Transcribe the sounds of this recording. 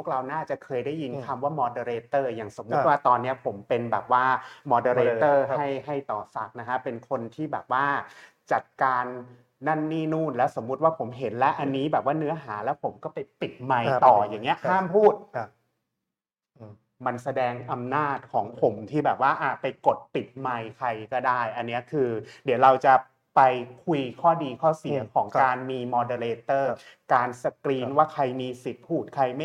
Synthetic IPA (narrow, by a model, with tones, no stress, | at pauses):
pʰu˥˩k̚ɾa˧wnaː˥˩t͡ɕa˨˩kʰɤː˧jda˥˩jːi˧nkʰa˧mwaː˥˩mɔː˧deː˧ɾeː˧˥t̪ɤː˥˩jaː˨˩ŋso˨˩˦mːu˦˥t̪̚waː˥˩t̪ɔː˧nːi˦˥ɐpʰo˩˦mpe˧nbɛ̰ː˨˩p̚waː˥˩mɔː˧deː˧ɾeː˧t̪ɤː˥˩ha˥˩jɦa˥˩jt̪ɔː˨˩sa˨˦˩k̚na˦˥kʰa˦˥pe˧nkʰo˧nt̪ʰiː˥˩bɛː˨˩p̚waː˥˩ | t͡ɕa˨˩t̪̚kaː˧nː | a˥˩nːiː˥˩nuː˥˩nlɛː˦˥wso˩˦mːu˦˥t̪̚waː˥˩pʰo˩˦mɦe˩˦nlɛ˦˥ʔa˧nːiː˦˥bɛː˨˩p̚waː˥˩nɯ˦˥ɐɦaː˩˦lɛː˦˥wpʰo˩˦mkɔː˥˩pa˧jpi˨˩t̪̚ma˧jt̪ɔː˨˩jaː˨˩ŋːi˦˥ɐʔhʰaː˥˩mpʰuː˥˩t̪̚ | ʔɤː˧ | ma˧nsa˧dɛː˧ŋʔa˧mnaː˥˩t̪̚kʰɔː˩˦ŋpʰo˩˦mt̪ʰiː˥˩bɛː˨˩p̚waː˥˩ʔa˧˩pa˧jko˨˩t̪̚pi˨˩t̪̚ma˧jkʰa˧jkɔː˥˩daː˥˩jʔa˧nːi˦˥ɐkʰɯː˧di˩˦wɾa˧wt͡ɕa˨˩ | pa˧jkʰu˧jkʰɔː˥˩diː˧kʰɔː˥˩si˨˩˦kʰɔː˩˦ŋkaː˧nmiː˧mɔː˧deː˧leː˧t̪ɤː˥˩ | kaː˧nsa˧kɾiː˧nwaː˥˩kʰa˧jmiː˧si˨˩t̪̚pʰuː˥˩t̪̚kʰa˧jma˥